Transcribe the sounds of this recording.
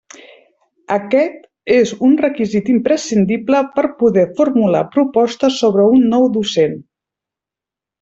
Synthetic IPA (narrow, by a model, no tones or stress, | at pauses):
əkɛt̪ | ezunrəkizit̪impɾəsind̪ipləpəɾpuðɛfuɾmula̰pɾupɔst̪əsoβ̞ɾəunːɔwd̪usen